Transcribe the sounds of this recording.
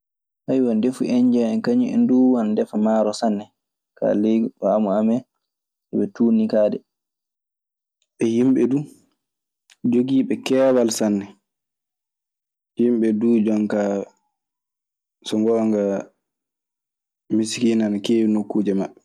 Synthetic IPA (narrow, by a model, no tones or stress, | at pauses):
hajwandefuʔɛɲd͡ʒaɛnkaɲiɛ̰nduwandɛfamaːɾɔsanːɛ | ka̰leamuamɛ | sɛbɛtunikaːdɛ̰ | ɓɛhimɓɛdu | d͡ʒoɡiːɓɛkɛːwalsanːɛ | himɓɛduːd͡ʒɔŋka | sɔŋɡɔŋɡa | miskinankeːnokːuːd͡ʒɛmaɓɛ